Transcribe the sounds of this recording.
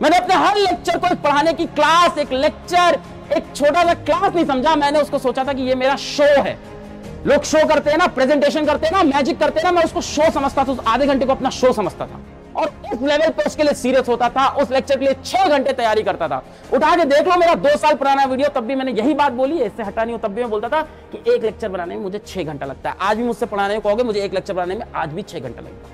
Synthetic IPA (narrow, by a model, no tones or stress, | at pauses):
mɛ̃ːneɐpneɦɐɾleːk̚t͡ʃəɾkoeːk̚pɐɽ̤aːnekiklaːseːkleːk̚t͡ʃəɾ | eːk̚t͡ʃʰoːʈasaklaːsnɐɦĩsɐ̃md͡ʒʱamɛ̃ːneʊskosoːt͡ʃat̪ʰakijemeːɾaʃoːɦɛ̰ː | loːɡʃoːkɐɾt̪eɦɛnapɾeːzɛ̃ɳʈeːʃ̬ənkɐɾt̪eɦɛnamɛːd͡ʒɪkːɐɾt̪eɦɛnamɛ̃ʊskoʃoːsɐməd͡ʒʱt̪at̪ʰaʊsaːd̪ʱeɡʱɐ̃ɳʈekoɐpnaʃoːsɐməd͡ʒʱt̪a̰t̪ʰa̰ː | ɔːɾɪsleːʋəlpeʊskelijesiːɾijəsɦoːt̪at̪ʰaʔʊsleːk̚t͡ʃəɾkeliet͡ʃʰeːɡʱɐ̃ɳʈet̪ɐjaːɾikɐɾt̪at̪ʰa̰ː | ʊʈʰaːked̪eːkʰlomeːɾad̪oːsaːlpʊɽaːnaʋiːɽijot̪ɐbːimɛ̃ːnejɐɦibaːt̪̚boːliɛɪsːeɦɐʈaːniot̪ɐbːimẽboːlt̪at̪ʰa | kiʔeːkleːk̚t͡ʃəɾbɐnaːnemẽmʊd͡ʒʱet͡ʃʰeːɡʱɐ̃ɳʈalɐɡ̚t̪aɦɛʔaːd͡ʒbʱimʊd͡ʒʱsepɐɽ̤aːneõkɔɦoːɡemʊd͡ʒʱeeːkleːk̚t͡ʃəɾbɐnaːnemẽaːd͡ʒbʱit͡ʃʰeːɡʱɐ̰̃ɳʈḛlɐ̰ɡḛː